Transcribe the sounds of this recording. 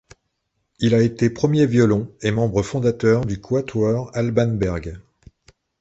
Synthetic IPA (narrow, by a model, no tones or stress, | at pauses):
ilaet̪epχəmjevjɔlɔ̃emɑ̃bʁəfɔ̃d̪at̪œʁd̪ykʰwat̪waʁalbanbɛʁɡ